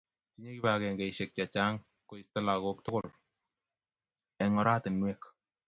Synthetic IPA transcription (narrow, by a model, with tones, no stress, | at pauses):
ti˦ɲe˦ki˦ba˨kɛ˨ŋɡe˨iʃe˨k̚t͡ʃa˨t͡ʃa˦ŋ | ko˨i˨sta˦la˨ko˦k̚tʊ˦kʊ˦l | ɛ˨ŋɔ˨ɾa˦tɪ˨nwe˦k